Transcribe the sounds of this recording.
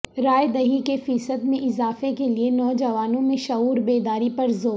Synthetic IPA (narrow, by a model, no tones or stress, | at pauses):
ɾaːjd̪ɐɦikefiːsəd̪mẽʔɪzaːfekelienɔːd͡ʒɐʋaːnõmẽʃɐɦuːɾbeːd̪aːɾipɐɾzoːɾ